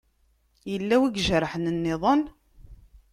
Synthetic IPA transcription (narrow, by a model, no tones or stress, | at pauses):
jəlːæwiɡʒɾˤħnənːɪðˤən